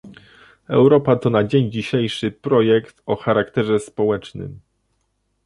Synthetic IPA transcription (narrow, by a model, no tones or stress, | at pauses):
ɛ̰wɾɔpat̪ɔnad͡ʑeɲd͡ʑiɕejʂɘpɾɔjɛkt̪ɔxaɾakt̪ɛʐɛspɔwɛt͡ʂnɘ̰m